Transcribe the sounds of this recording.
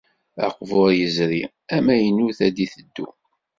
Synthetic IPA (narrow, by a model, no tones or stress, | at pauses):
æ̰qvoɾjəzɾi | æmæjənːuθæd̪iθəd̪ːṵ